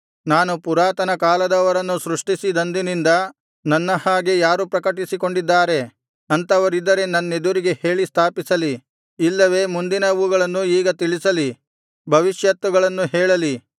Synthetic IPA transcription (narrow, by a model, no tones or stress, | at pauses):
naːnupuɾaːt̪ɐnɐkaːlɐd̪ɐʋɐɾɐnːusɾuʂʈisid̪ɐnd̪inind̪ɐ | nɐnːɐhaːɡejaːɾupɾɐkɐʈisiko̞ɳɖid̪ːaːɾe̞ | ɐnt̪ɐʋɐɾid̪ːɐɾe̞nɐnːed̪uɾiɡe̞he̞ːɭist̪ʰaːpisɐliː | lːɐʋe̞ːmund̪inɐʋuɡɐɭɐnːuiːɡɐt̪iɭisɐli | bʱɐʋiʃjɐt̪ʋuɡɐɭɐnːuɦɛːɭɐli